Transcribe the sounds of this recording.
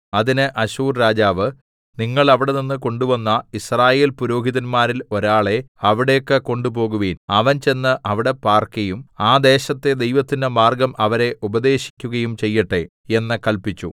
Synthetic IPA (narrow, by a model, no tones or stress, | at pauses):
ɐðinɨʔɐɕuːrɾaːd͡ʑaːʋɨ | niŋːɐɭɐʋiɽeninːɨko̞ɳɖuʋɐnːɐisraːje̞ːlpuɾo̞ːɡʱiðɐnmaːɾilo̞ɾaːɭe̞ɐʋiɽejkːɨko̞ɳɖupo̞ːɣuʋiːnɐʋɐnt͡ɕe̞nːɨʔɐʋiɽe̞paːrkɐjumaːd̪e̞ːɕɐt̪ːe̞d̪e̞jʋɐt̪ːindemaːrɡɐmʔɐʋɐɾe̞ʔubɐd̪e̞ːɕi̥kʲːuɣɐjumt͡ɕe̞jːɐʈːe̞ | e̞nːɨkɐlpit͡ɕːṵ